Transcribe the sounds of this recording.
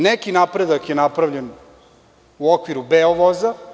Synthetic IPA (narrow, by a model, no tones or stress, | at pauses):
nekinapɾed̪akjenapɾaʋvʎen | uokʋiɾubeoʋoza